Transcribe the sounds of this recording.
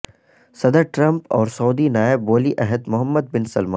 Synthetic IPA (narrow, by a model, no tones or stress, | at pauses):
sɐd̪əɾʈɾɐ̃mpɔːɾsɔːd̪inaːɪbːoːliʔɛɦəd̪mʊɦəmːəd̪̚bɪnsɐlmaː